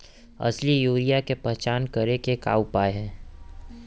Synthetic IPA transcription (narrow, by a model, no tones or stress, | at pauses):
ɐ̰slijuːɾijakepɛɦt͡ʃaːnkɐɾekeka̰ːupaːeɦɛ̃ː